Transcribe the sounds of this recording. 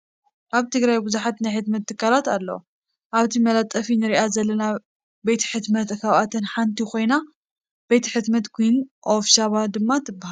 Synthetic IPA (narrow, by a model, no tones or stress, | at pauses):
ʔaβt̪ʰɨɡɾajbɨzuħat̪najħɨt̪mɐt̪ːɨkʰːaɾat̪alːɐ̰ | ʔaβt̪ʰimɐlat̪ʼːɐfinɨɾiʔazɐlːɐna | bet̪ʰħɨt̪mɐt̪kʰaβat̪ʰɨnħant̪ʰikʰo̞jna | b̥e̞t̪ʰiħɨt̪mɐt̪kʰʷujnʔofʃaβad̪ɨmːat̪ʰɨbːaha